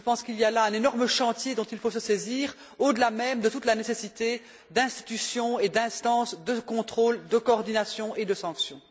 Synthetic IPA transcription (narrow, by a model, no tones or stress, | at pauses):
əpɑ̃skilijalaɛ̃nenɔʁməʃɑ̃t̪jed̪ɔ̃t̪ilfosəseziːʁ | od̪əlamɛmd̪ət̪ut̪lanesesit̪e | d̪ɛ̃st̪i̥t̪ysjɔ̃ed̪ɛ̃st̪ɑ̃ːsd̪əkɔ̃t̪χoːld̪əkɔɔʁd̪inasjɔ̃ʔed̪əsɑ̃ksjɔ̃